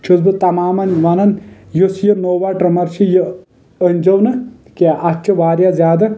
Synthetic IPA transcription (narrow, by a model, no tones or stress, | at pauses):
t͡ʃʰusbɨt̪ɐmaːmɐnʋɐnɐnjosjɐnoːʋaʈɾɐmɐɾt͡ʃʰijɐ | ənʲd͡ʒɐwnɨ | kaʔɐt͡ʃʰiʋaːɾjazʲjaːd̪ɐ